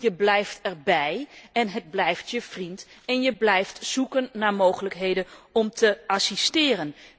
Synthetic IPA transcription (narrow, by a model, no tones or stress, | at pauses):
jəblɛjftɛrbɛjɛnɦəd̚blɛjftjəv̥rintɛnjəblɛjftsukənːaːɹmowχələkɦejdəɔmtʰəasistɪːrən